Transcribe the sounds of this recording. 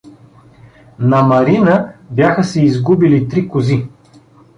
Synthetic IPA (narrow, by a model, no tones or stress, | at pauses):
nɐmɐɾinəbjaxəsɛizɡubilit̪ɾikʊzi